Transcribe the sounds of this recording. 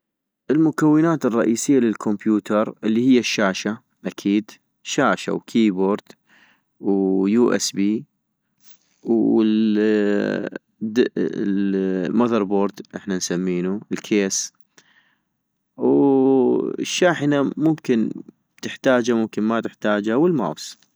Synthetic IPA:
ʔɪlmʊkawːɪnaːt̪ɪrˤːɑʔiːsɪjːalɪlkʰʊmbjuːt̪ɑɾˤʔɪlːihɪjːaʃːaːʃa | ʔakʰiːd̪ | ʃaːʃa̰wkʰiːboːɾd̪ | wjuːʔɛ̰sbiː | w | maðɑɾˤboːɾd̪ʔɪħnansamːiːnuɪlkʰeːs | w̰ | ʃːaːħɪnamʊmkɪn | t̪ɪħt̪aːd͡ʒamʊmkɪnmat̪ɪħt̪aːd͡ʒawəlma̰ːws

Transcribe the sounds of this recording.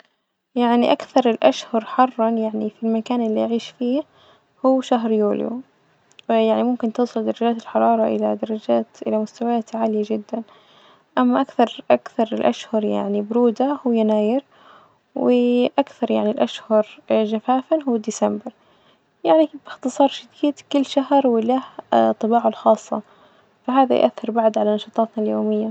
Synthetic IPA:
jaʕniʔakθɑɾˤɪlʔaʃhɑɾˤħɑrˤːɑnjaʕnifilmakaːnʔɪlːiʔaʕiːʃfiːh | huːʃaɦɾjṵːljṵ | jaʕnimʊmkɪnt̪ɨːsˤɨld̪ɑɾˤɑd͡ʒaːt̪ɪlħɑɾˤɑːɾˤɑʔɪ̰lad̪ɑɾˤɑd͡ʒaːt̪ʔɪ̰lamʊst̪awajaːt̪ʕaːlɪjad͡ʒɪd̪ːan | ʔamːaʔakθɑɾˤʔakθɑɾˤɪlʔa̰ʃhɑɾˤja̰ʕnibɾuːd̪ahʊwjanaːjɪɾ | wɪʔakθɑɾˤjaʕnilʔaʃhɑɾʒafaːfanɦʊːd̪ɪsambɪɾ | jaʕnibɪxt̪ɨsˤɑːɾˤʃad̪iːd̪kʊlːʃaɦɾwɪlaht̪ˤːɨbɑːʕalxɑːsˤːɑ̰ | fahaːða̰j̰ʔa̰θːɪɾbaʕd̪ʕalanɑʃɑːt̪ˤɑːt̪naljoːmɪjːa

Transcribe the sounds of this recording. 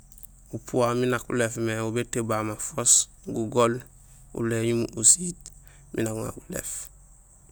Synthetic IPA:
upʰuaminakṵlefmeubetebamafos | ɡuɡol | ṵleɲumusiːt̚ | mḭnakuŋa̰kulḛf

